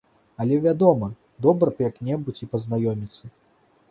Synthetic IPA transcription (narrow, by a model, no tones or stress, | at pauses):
ɐlʲɛvʲad̪ɔmɐ | d̪ɔbɾɐpjɐknʲɛbut͡sʲipɐznajɔmʲit̪sːɐ